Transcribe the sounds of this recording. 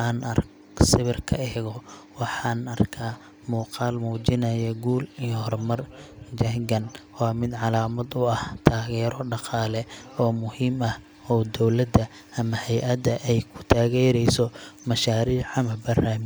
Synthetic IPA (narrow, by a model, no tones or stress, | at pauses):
aːnɐr | sɪβɪrkʰɐɛːɣɔwɑħɑːnɐrkʰaː | muːqɑːlmuːd͡ʒɪnɐjɛɡuːlijɔhɔrmɐrd͡ʒɐŋɡɐnwɑːmɪd̪ʕɑlaːmɐd̪ʊɐht̪ʰaːɣɛːɾɔɖɑqɑːlɛɔːmʊhiːmɐh | ɔd̪ɔwlɐd̪ɐ | ɐmɐhɛjʔɐd̪ɐʔɛjkʰʊ̥t̪ʰaːɣɛːɾɛjsɔmɐʃaːɾiːʕɑmɐbɐraːmɪ